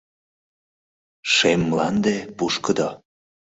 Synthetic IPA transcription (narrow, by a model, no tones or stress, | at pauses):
ʃemːlɑnd̪epuʃkəd̪o